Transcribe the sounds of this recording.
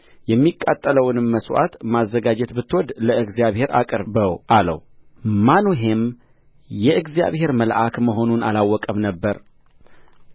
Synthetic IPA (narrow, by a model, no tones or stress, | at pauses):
jɛmːikʼːat̪ʼːələwnɨmːəswʔa̰t̪mazːəɡad͡ʒɛt̪bɨt̪ʰːwɔd̪ləɨɡzjaβhe̞ɾa̰kʼɨɾbəwʔalə̰w | manuɦem | jɛʔɨɡzija̰βhe̞ɾməlʔakməɦo̞nunalawːɔkʼəmnəbːəɾ